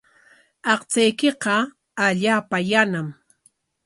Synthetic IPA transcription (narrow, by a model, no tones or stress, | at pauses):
ɑqt͡sajkɪqɑ | aʎaːpajanam